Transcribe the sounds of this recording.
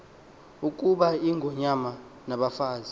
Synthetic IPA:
ukʼuɓaiŋʱɔɲama | naɓafaːzi

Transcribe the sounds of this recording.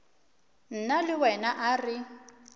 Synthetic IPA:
n̩nalɪwɛnaʔarɪ

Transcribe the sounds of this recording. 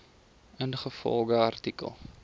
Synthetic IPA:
ənχəfɔ̰lˠɡəɐrtikə̰lˠ

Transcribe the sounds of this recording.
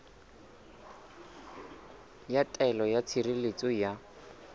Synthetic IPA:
jatʼɛlɔjat͡sʰirilet͡sʼɔja

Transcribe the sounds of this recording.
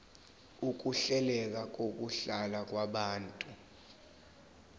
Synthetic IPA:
uk̬uɬɛlɛk̬ak̬ok̬ʼuɬalak̬waɓaːntʼu

